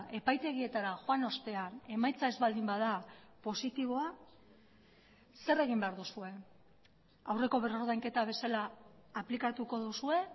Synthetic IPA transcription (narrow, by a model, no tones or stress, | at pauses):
e̞pajt̪e̞ɣ̞ie̞t̪aɾaxoano̞st̪e̞ane̞majt͡sae̞zβald̪imbaðapo̞sit̪iβ̞o̞a | se̞re̞ɣ̞imbe̞aɾðusue̞ | awre̞ko̞βe̞ro̞ɾðajŋke̞t̪aβ̞e̞salaːplikat̪uko̞ðusue̞